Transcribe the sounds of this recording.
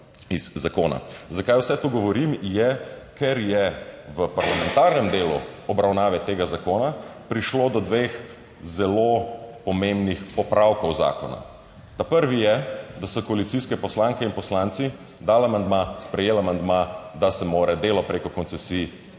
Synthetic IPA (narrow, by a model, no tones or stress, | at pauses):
iz̥ːakoːna̰zakajwsɛt̪uɡɔʋɔɾimjɛkʰɛɾjɛʋəpaɾlamɛ̃nt̪aɾnɛmd̪eːlṵɔbɾawnaːʋɛt̪eːɡazakoːnapɾiʃlod̪ɔd̪ʋeːx | zɛlopɔmẽmbnixpɔpɾʔawkɔwza̰ːkɔna̰ | t̪apəɾʋijɛd̪asɔkɔalit̪siskɛpɔslaŋkɛinpɔslant̪si | d̪aːlamand̪maspɾɛjeːlamand̪mad̪asɛmoːɾɛd̪eːlɔpɾeːkɔkɔnsɛsi